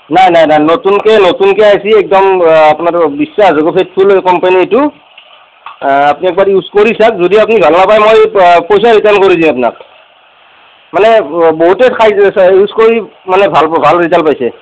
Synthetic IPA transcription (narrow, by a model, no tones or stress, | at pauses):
najnajnajnotunkɛnotunkɛajsiɛk̚dɔmapnaɹbisːazɔɡopʰet̚pʰulkɔmpanietu | apniɛk̚baɹiuskoɹisak̚zodiapunibʱalnapajmojpojsaɹitaɹnkoɹidĩmapna̰k̚ | manɛboɦutɛkʰajiuskoɹimanɛbʱalbʱalɹitalpajsɛ